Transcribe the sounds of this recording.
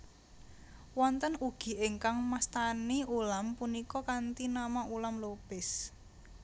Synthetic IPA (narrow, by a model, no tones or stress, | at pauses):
wɔnt̪ənuɡ̥i̤ʔɪŋkaŋmast̪aniulampunikɔkant̪inamaʔulamlopɪs